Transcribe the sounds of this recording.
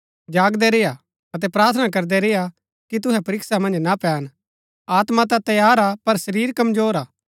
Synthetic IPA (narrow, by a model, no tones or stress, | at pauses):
d͡ʒaːɡd̪ɛɾeja | ɐt̪̬ɛpɾaːɾt̪ʰənak̬ɐɾd̪ɛɾeja | kit̪̬ʊɦɛpɐɾɪksamɐ̃nd͡ʒnapɛːn | aːt̪mat̪̬at̪ɐjaːɾapɐɾsɐɾiːɾkɐmd͡ʒoːɾaː